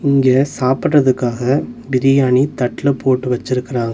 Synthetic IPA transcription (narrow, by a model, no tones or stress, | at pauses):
ɪŋɡeːsaːpɪrːɐðɯkːaːɣɐbɪɾɪjaːɳit̪ɐʈːlɐpoːʈːɯʋɐt͡ʃːɪɾɯkːɪɾãːŋɡɐ